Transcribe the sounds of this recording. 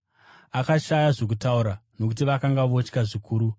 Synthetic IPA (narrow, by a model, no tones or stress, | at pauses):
akaʃajaʐok̬utauɾano̞k̬ut̬iʋakaŋɡaʋo̞t͡ʃkaʐikʰuːɾu